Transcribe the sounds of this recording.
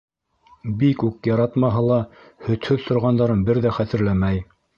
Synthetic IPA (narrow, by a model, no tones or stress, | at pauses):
bikʉkjɑɾɑt̪mɑɦɤlˠɑ | hɵ̆t̪hɵðt̪ʰŏɾʁɑnd̪ɑɾɤnbɘɾðæχæt̪ɘ̆ɾlæmæj